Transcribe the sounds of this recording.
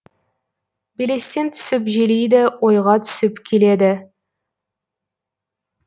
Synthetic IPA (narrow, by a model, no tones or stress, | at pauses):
bele̞st̪e̞nt̪ʰʏ̥sɪp̬ʒelejd̪ɪwojʁɑt̪ʰʏ̥sɪpkʲʰele̞d̪ɪ